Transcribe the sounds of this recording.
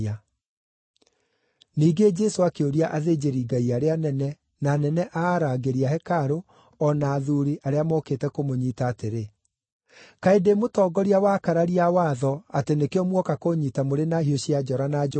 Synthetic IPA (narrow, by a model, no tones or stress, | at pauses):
a | niːɡed͡ʒɛsoakeoɾiaʔaðed͡ʑeɾiːɡaiaɾeanɛnɛ | nanɛnɛʔaːɾaɡeɾiahɛkaɾo | ɔnaːðuɾiʔaɾeamɔketɛkomoɲiːtaːteɾe | kaedemotɔːɡɔɾiawakaɾaɾiawaːðɔatenekeɔmwɔkakoɲitamoɾenahioɕiad͡ʒɔɾana